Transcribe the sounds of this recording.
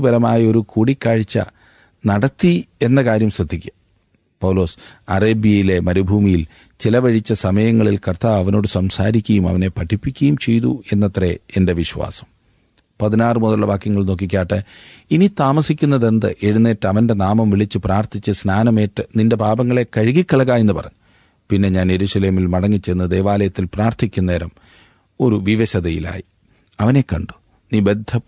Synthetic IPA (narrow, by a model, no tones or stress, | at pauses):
ubɐɾɐmaːjɐo̞ɾukuːɽikːaːɻit͡ɕːɐ̰ | nɐɽɐt̪ːie̞nːɐkaːɾjɐmsrɐd̪ʱːikʲːɐ | pɐwlo̞ːsɐ̰reːbijɐjile̞mɐɾubʱuːmijil | t͡ɕilɐʋɐɻit͡ɕːɐsɐmɐjɐŋːɐɭilkɐrt̪aːʋɐʋɐno̞ːɽɨsɐmsaːɾikʲːɐjumɐ̰ʋɐne̞pɐʈʰipːikʲːɐjumt͡ɕe̞jt̪ṵe̞nːɐt̪reende̞ʋiɕwa̰ːsɐ̥m | pɐðinaːrɨmoðɐɭːɐʋaːkjɐŋːɐɭno̞ːk̬ːik̬ʲːaːʈːɨinit̪aːmɐsikʲːunːɐðe̞nd̪ɨʔe̞ɻunːe̞ːʈːɨɐʋɐnde̞naːmɐmʋiɭit͡ɕːɨpraːrt̪ʰit͡ɕːɨsnaːnɐme̞ːʈːɨninde̞bʱaːbɐŋːɐɭe̞kɐɻiɣikʲːɐɭɐɣaːje̞nːɨpɐ̰rɐ̰ɲːu | pinːe̞ɲaːne̞ɾuːʂɐleːmilmɐɽɐŋːit͡ɕːejnːɐd̪e̞ːʋaːlɐjɐt̪ːilpraːrt̪ʰikʲːunːeːɾɐm | o̞ɾuʋiʋɐɕɐðɐjḭla̰ːji | ɐʋɐne̞kːɐɳɖu̥ | nibe̞d̪ʱːɐ